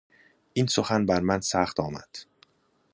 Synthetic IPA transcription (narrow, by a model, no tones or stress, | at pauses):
ʔiːnsoxænbæɾmænsæxt̪ʰɒːmæ̰d̪̥